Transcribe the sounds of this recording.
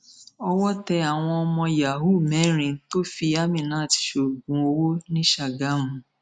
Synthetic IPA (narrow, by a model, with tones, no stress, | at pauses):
ɔ˧wɔ˦tɛ˧a˨w̃ɔ̃˧ɔ˧mɔ̃˧ja˨ɦu˦˨mɛ˨˦ɾ̃ĩ˨˧˦to˦fi˧a˦mĩ˨nã˨˦˨ti̥˨ʃo˨ɡũ˨˦o˧wo˦nĩ˦ʃa˨ɡa˨˦mũ˨